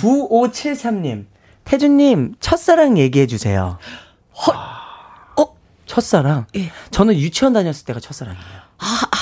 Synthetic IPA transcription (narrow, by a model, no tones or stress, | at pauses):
kuot͡ɕʰiɭsʰamɲim | tʰe̞d͡ʑuɲːimt͡ɕʰʌt̚s͈aɾaŋje̞ɡiɦe̞d͡ʑusʰe̞̰jo̰ | hʌ | t͡ɕʰʌs͈aɾaŋjet͡ɕʌnɯnjut͡ɕʰʌndaɲʌs͈ɯ̥ɭt͈e̞ɡat͡ɕʰʌt̚s͈aɾa̰ŋijo